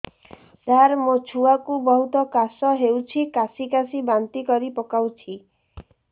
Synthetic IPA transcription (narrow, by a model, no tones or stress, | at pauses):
t̪aɾmot͡ʃʰuakubɔɦut̪ɔkasɔɦewt͡ʃʰikasikasibant̪ikɔɾipɔkawt͡ʃʰi